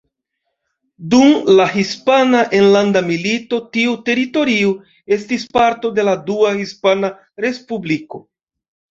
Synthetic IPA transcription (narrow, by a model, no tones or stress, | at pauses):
dumlaɦispanaʔenlandamilito̞tiute̞ɾito̞ɾiu | e̞stispaɾto̞de̞laduahispana | ɾe̞spubliko̞